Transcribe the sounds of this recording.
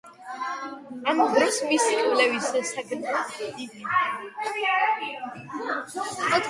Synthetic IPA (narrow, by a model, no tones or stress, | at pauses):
amd̪ɾɔsmisivlɛvisɛsaɡɾad̪id̪i | ɔt̪